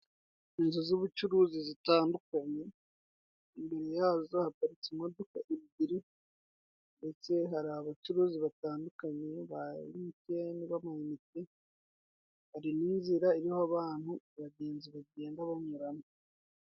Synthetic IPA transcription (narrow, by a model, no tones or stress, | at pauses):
inzozuβut͡ʃuɾuzizitaːndukaɲe̞ | imbeɾe̞jaːzohakaɾit͡semodo̞kaʔiβibiɾi | nde̞t͡se̞ɦaɾiaβat͡ʃuɾuːziβataːndukaɲe̞βa̰ḭmiteniβamajimite | βaɾiniːnziɾaeɾihaβaːn̥huβaɟe̞ːnziβaɟeːŋɡaβaɲuɾano